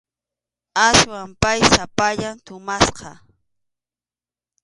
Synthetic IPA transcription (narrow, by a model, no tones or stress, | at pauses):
aswampajsapaʎant̪ʊmasqɑ